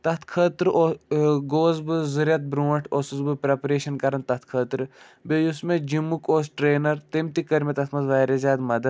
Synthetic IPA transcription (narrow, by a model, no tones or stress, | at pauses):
t̪ɐt̪ʰkʰəːt̪ɾɨʔoɡoːzbɨzɨɾʲjɐt̪̚bɾũːʈʰosuzbɨpɾepɐɾeːʃɐnkɐɾɐnt̪ɐt̪ʰkʰəːt̪ɾɨ | bejusmed͡ʒimːukoːsʈɾeːnɐɾt̪emt̪ikɐɾmʲet̪ɐt̪ʰmɐzʋɐːɾezʲaːd̪mɐd̪ɐ